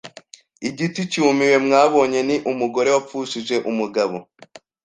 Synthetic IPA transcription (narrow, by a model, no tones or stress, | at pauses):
iɟitucumiwe̞mŋaːβo̞ːɲe̞niʔumuɡo̞ɾe̞wap͡fuːʃiʒe̞ʔumuɡaβo